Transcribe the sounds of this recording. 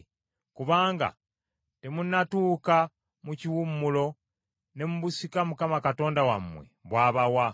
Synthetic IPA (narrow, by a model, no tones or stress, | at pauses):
kuβaːŋɡa̰ | te̞munːatuːka | muciwumːulo̞ | ne̞muβusikamukamakato̞ːndawamːwe̞̰βwaːβawa